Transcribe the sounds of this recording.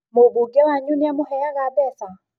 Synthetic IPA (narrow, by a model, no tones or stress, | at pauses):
mobuɡɛlaɲuniamʊhɛjaɣabɛsa